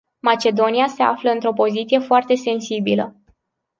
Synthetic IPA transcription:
mat͡ʃe̞d̪o̞niase̞a̰fləɨnt̪ɾo̞po̞zit̪sije̞foart̪e̞se̞nsibilə̰

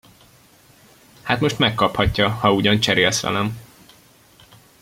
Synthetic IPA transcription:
haːt̪mo̞ʃt̪mɛkːɒphɒcːɒhɒuɟɒnt͡ʃɛɾeːlsʋɛ̰lɛm

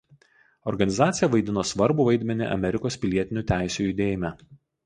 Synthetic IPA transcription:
ɔɾɡɐnʲɪzɑːt̪sʲɪjɛʋɐɪd̪ʲɪnoːsʋɐɾbʊʋɐɪd̪ʲmʲɛnʲɪ̰ʔɐ̰mʲɛɾʲɪkoːspʲɪlʲiɛt̪ʲɪnʲuːˑt̪ʲæˑɪsʲujʊd̪ʲeːjɪmʲæ

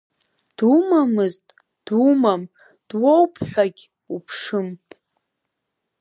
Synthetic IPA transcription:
d̥umamɨztʼ | d̥umam | d̥wowpʰħʷᶣaɡʲ | upʰʂɨm

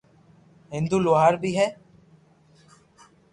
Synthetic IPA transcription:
ɦɪ̃nd̪uːloaːɾbiːɦɛː

